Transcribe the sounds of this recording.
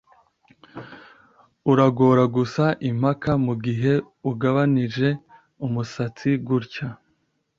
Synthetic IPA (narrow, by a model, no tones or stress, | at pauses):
uɾaɡo̞ːɾaɡusaʔim̥hakamuɡiɦe̞ | uɡaβanid͡ʒe̞ | umusat͡siɡuɾca